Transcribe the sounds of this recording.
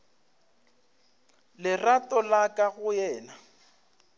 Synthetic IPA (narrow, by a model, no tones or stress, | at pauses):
lɪratʼɔlakʼaɣʊjɛːna